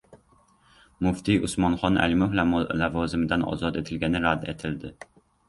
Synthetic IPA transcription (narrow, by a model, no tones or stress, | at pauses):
mʊft̪ʰijʔʊsmɒnχɒna̰lɪmʊhllavɒːzɪmɪd̪anɒ̰zɒt̪e̞t̪ʰɪlɡʲanɪɾad̪e̞t̪ʰɪld̪ɪ